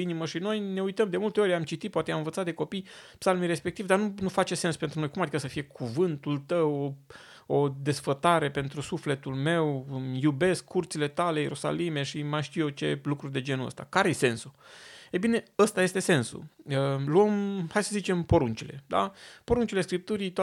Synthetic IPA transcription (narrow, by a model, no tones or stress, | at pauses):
iniməʃino̞jne̞ujt̪əmd̪e̞mult̪e̞o̞ɾʲamt͡ʃit̪it̪̚poat̪eamɨnvət̪sat̪d̪e̞ko̞pijpsalmijɾe̞spe̞k̚t̪ivd̪arnunufat͡ʃe̞se̞nspe̞nt̪ɾunojkumad̪ikəsəfije̞kʰuvɨnt̪ult̪əw | o̞d̪e̞sfət̪aɾe̞pe̞nt̪ɾusufle̞t̪ulme̞wjube̞skʰːurt̪sile̞t̪alejeɾʔusa̰lime̞ʃimaʃt̪ijet͡ʃe̞̰lukɾurʲd̪e̞d͡ʒe̞nuə̰st̪a̰kaɾejese̞nsuejbine̞əst̪aje̞st̪e̞se̞nsṵəluəmhajsəzit͡ʃe̞mpo̞ɾunt͡ʃile̞̰d̪a̰po̞ɾunt͡ʃile̞skɾip̚t̪uɾit̪